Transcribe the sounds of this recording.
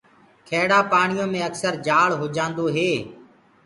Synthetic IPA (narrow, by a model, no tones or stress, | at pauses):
kʰeːɽaːpaːɳijõːmẽːəksəɾd͡ʒaːɭɦoːd͡ʒãːnd̪oːɦeː